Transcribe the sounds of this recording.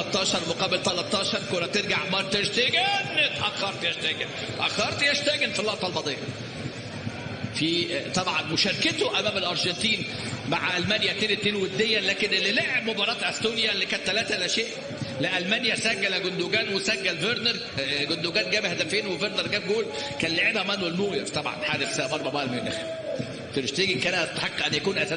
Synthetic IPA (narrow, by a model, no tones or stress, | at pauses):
ɑt̪ˤːɑːʃɑɾˤmoqɑːbelt̪ɑlɑt̪ˤːɑːʃɑɾˤkolæt̪eɾɡaʕmɑɾt̪eʃt̪eɡæːnet̪ʔɑxɑɾˤt̪jæʃt̪æɡæn | ʔɑxːɑɾˤt̪jæʃt̪æɡænfilːɑʔt̪ˤɑlmɑd̪ˤeːʕɑ | fit̪ˤɑbʕɑnmoʃæːɾket̪oʔæmæːmelʔɑɾˤʒɑnt̪iːn | maʕʔælmænjæt̪eːnet̪ːeːnwed̪ːejːælæːkenʔelːileʕeb̚mobɑɾˤɑːt̪ʔæst̪oːnjælːikæːnt̪ːælæːt̪æʔlæʃeːʔ | leʔælmænjæsæɡːælæɡʊnd̪uɡæːnwesæɡːælveɾneɾˤ | ɡond̪uɡæːnɡæːbhæd̪æfeːnweveɾnɑɾˤɡæːb̚ɡuːl | kænlːeʕiːbhæmænwelnuːjeɾt̪ˤɑbʕɑ̰nħaːɾefsæʔmɑɾˤbɑbɑːʔlmenæx | t̪eɾʃt̪æɡinkæːnæt̪ːħeqːʔænːjækuːnʔæsæ